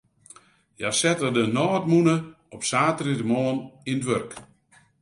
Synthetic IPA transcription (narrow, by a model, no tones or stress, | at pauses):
jasɛtədənɔːtmunə | ɔpsaːtridəmɔəninətʋørk